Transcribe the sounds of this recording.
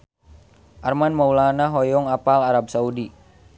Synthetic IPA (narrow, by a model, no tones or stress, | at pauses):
ʔarmanmaulanaɦɔjɔŋapalaɾab̚saudi